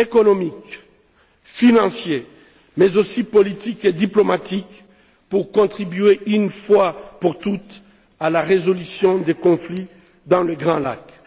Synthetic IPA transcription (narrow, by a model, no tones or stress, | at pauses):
ekɔnɔmik | finɑ̃sje | mɛzosipɔlit̪iked̪iplɔmat̪ik | puʁkɔ̃t̪χibɥeʔynfwapuʁt̪ut̪ | alaʁezɔlysjɔ̃d̪ekɔ̃fli | d̪ɑ̃ləɡʁɑ̃la̰k